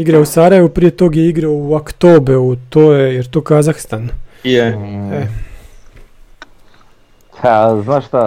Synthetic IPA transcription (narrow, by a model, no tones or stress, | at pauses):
iɡɾausaɾaje̞ʋupɾijet̪o̞ːɡjeiɡɾaouokt̪oːbeut̪oːjejeɾt̪oːkazaxst̪anjee | pʰaznaʃt̪a